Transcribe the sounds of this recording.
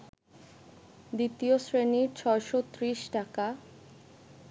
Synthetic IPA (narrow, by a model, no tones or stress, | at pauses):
d̪it̪iosɾeniɾt͡ɕʰɔeʃot̪ɾiʃʈaka